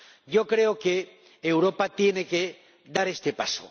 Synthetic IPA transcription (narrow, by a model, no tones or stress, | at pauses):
ʝo̞kɾe̞oke̞ː | wɾo̞pat̪je̞ne̞ke | d̪aɾe̞st̪e̞paso̰